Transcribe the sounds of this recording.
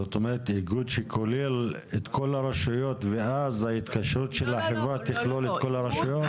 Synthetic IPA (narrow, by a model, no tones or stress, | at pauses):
zot̪omeʁet̪iɡud̪ʃekʰo̞lel | et̪kʰo̞laɾaʃujo̞t̪veazait̪kaʃɾut̪ʃe̞lhaħevɾat̪iχlolet̪̚ko̞laɾaʃajo̞t̪